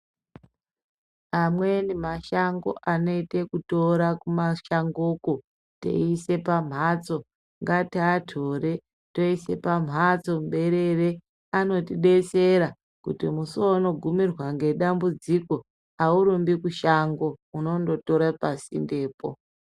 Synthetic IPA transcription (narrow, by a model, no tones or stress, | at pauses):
amwe̞nimaʃaŋɡo̞̰ʔano̞ite̞kuto̞ɾakumaʃaŋɡoko | tḛise̞pam̤ʱat͡so̞ | ŋɡatiːtʰo̞ɾe̞ | to̞ise̞pam̤ɦat͡so̞mɓe̞ɾe̞re | ano̞tiɗe̞se̞ɾa | kutimusono̞ɡʱumirwaŋɡe̞ɗambud͡ziko̞ | auɾumbikuʃaŋɡouno̞ndo̞to̞ɾapasḭnde̞ːpo̞̰